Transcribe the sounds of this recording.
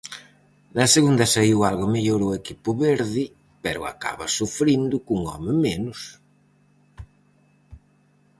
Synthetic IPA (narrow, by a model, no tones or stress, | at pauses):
nɐseɣund̪ɐsaiwalɣʊmiʎoɾʊekipʊβeɾðɪ | pɛɾʊ̰a̰ka̰βɐsufɾind̪ʊkuŋɔ̰mɪmenʊs